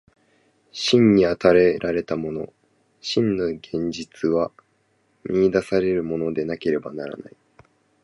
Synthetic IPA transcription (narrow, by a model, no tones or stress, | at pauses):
ɕĩɲ̟ɲiat̪aɾe̞ɾʔaɾe̞t̪amo̞no̞̰ | ɕĩnːoɡẽ̞ɲ̟d͡ʑit͡sɨβa | mʲiːd̪asaɾe̞ɾɯ̟mo̞no̞d̪e̞nake̞ɾe̞banaɾa̰na̰i